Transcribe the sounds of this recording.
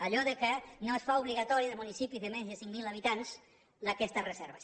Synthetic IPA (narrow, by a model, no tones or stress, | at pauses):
aʎɔðəkənoesfauβliɣat̪ɔɾiðəmunisipiðemenzðəsiŋmilɐβ̞it̪anz | lakɛst̪əzrezɛɾβəs